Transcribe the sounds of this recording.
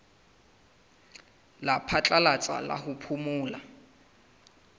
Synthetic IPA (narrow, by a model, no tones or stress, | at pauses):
lapʰat͡ɬʼalat͡sʼa̰la̰hʊpʰumʊːla